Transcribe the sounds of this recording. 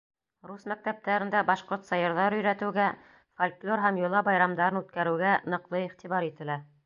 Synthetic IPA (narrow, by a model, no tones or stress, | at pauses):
ɾusmæk̚t̪æp̚t̪æɾɘ̆nd̪æbɑʃqoɾt̪sɑjɤ̆ɾðɑɾɵ̆jɾæt̪ɘ̆wɡæ | folʲklʲoɾɦæmjŏlˠɑbɑjɾɑmd̪ɑɾɤnʉt̪kæɾɘ̆wɡænɤ̆qlˠɤiχt̪iβɑɾit̪ɘ̆læ